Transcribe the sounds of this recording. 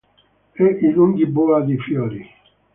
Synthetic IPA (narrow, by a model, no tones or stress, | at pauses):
ɛʔiluŋɡibuad̪ifjɔːɾi